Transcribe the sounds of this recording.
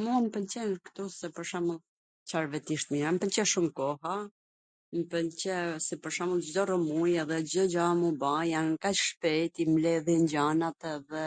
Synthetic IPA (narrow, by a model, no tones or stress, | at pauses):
munpənt͡ɕɛnkt̪usɛpəɾʃaməlˠ | t͡ʃaɾvɛt̪iʃt̪miɾampənt͡ɕɛʃumkɔha | npənt͡ɕɛsɛpəɾʃaməlˠd͡ʑd̪ɔrɔmujɛðɛd͡ʑd̪ɔd͡ʒamubajankat͡ʃʃpɛjt̪imlɛðjɛɲd͡ʑanat̪ɛðɛ